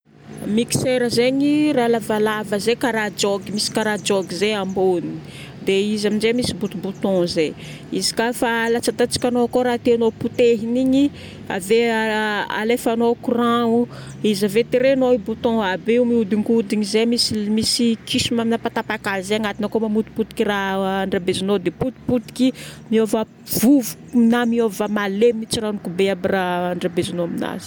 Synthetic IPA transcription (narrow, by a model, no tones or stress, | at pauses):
miki̥seɾəzeɲiralavalavəzekaɾad͡ʒoɡimisi̥kaɾad͡ʒoɡizeamboni | d̪eizamind͡ʒemisibut̪ubut̪ɔ̃ze | izi̥kafalat͡sat̪at͡si̥kʲanokoɾat̪eanoput̪eɦiniɲi | a̰ve | a̰lefanokurãu | izavet̪iɾenoibut̪ɔ̃abeumiud̪iŋkud̪iɲizemisimisikisimaminapat̪apakalzeaŋat̪inakomamut̪i̥put̪i̥kʲiraaɳɖ͡ʐabezinod̪eput̪i̥put̪i̥kimiova | v̥uvu̥mnamiovamalemimit͡siranikubeabiraːɳɖ͡ʐabezinoamina̰z̥i̥